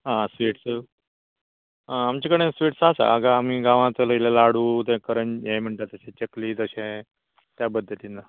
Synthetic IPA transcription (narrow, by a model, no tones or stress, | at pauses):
ɦãsʋiːʈsə | amt͡ɕekəɽ̃ẽsʋiːʈsasa̰əɡaːm̤iɡãʋãt͡sələilalaɽuːt̪̬ẽkəɾənjem̤əɳt̪at̪əɕẽt͡ɕekliːt̪əɕẽ | t̪jabəd̪ʱːət̪inːa